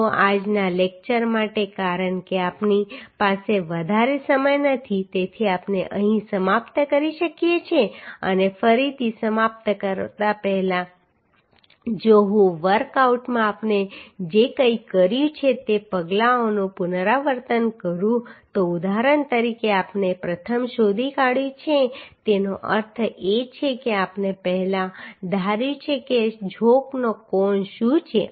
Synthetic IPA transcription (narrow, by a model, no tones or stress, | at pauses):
oʔad͡ʒnalek̚t͡ʃəɾmaʈekaɾəɳkeapnipaseʋəd̪ʱaɾesəməjnət̪ʰit̪et̪ʰiapneʔə̃ɦĩsəmapt̪əkəɾiʃəkijet͡ʃʰeə̰nefəɾit̪ʰisəmapt̪əkəɾt̪apɛɦɛlã | d͡ʒoɦũʋəɾkauʈmãapned͡ʒekəikəɾjũt͡ʃʰet̪epəɡlaonũpʊnɾaʋəɾt̪ənkəɾũt̪oud̪aɾənt̪əɾikeapnepɾət̪ʰəmʃod̪ʱikaɽjũt͡ʃʰet̪enoʔə̰ɾt̪ʰet͡ʃʰekeapnepɛɦlãd̪ʱaɾjũt͡ʃʰeked͡ʒʱoknokɔɳʃũt͡ʃʰḛ